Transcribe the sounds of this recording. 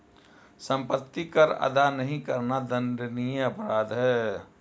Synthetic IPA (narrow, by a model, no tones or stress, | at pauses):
sə̃mpət̪ːikəɾɐ̰d̪anəɦĩkəɾnad̪ə̃nd̪ənijɐpɾaːd̪ɦɛː